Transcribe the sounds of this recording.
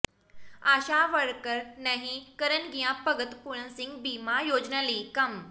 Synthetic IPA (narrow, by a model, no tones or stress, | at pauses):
aɕaʋəɭkəɾnaɦĩkəɾənɡijãpəɡət̪puɭə̃sĩŋɡ̚bimajod͡znaliːkəm